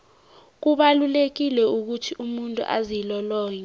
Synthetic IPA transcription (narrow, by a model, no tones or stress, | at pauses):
k̬uɓalulek̬ilɛuk̬utʰiʔumuntʼṵʔa̰zilɔlɔːjɔ